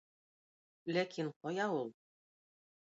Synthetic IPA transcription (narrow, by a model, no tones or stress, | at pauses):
lækʰiɴqɒjɑulˠ